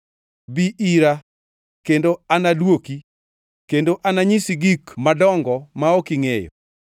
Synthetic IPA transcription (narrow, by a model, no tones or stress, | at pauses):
biʔiɾa | kendoanadwoki | kendoʔanaɲisiɡikmadɔŋɡɔmaokiŋejɔ̰